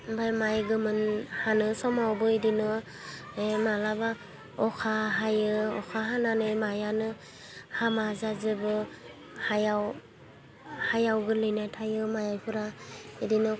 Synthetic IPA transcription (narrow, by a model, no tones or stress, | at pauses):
bajmajɡɯmɯnhanɯsɔmawbɯidinɯ | emalaba | ɔkʰaɦajɯɔ̰kʰaɦananɯjmajanɯ | hamazazɯbɯ | hajaw | hajawɡɯlɯjnajtʰajɯmajajpʰɯɾaidinɯ